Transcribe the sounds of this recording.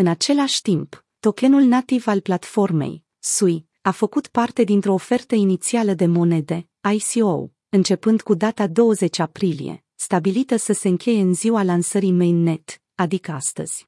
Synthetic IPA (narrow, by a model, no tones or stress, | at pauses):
ɨnat͡ʃe̞laʃʲt̪imp | t̪o̞ke̞nulnat̪ivalplat̪fo̞rme̞̰j | suj | afəkut̪part̪e̞d̪int̪ɾo̞ːfe̞rt̪əinit̪sialəd̪e̞mo̞ne̞d̪e̞ | ajsio̰w | ɨnt͡ʃe̞pɨnd̪kud̪at̪ad̪o̞wəze̞t͡ʃʲapɾilḭe̞̰ | st̪abilit̪əsəse̞ɨŋkʲe̞je̞ɨnziwalansəɾimene̞t̪ | ad̪ikəast̪ə̰z̥ʲ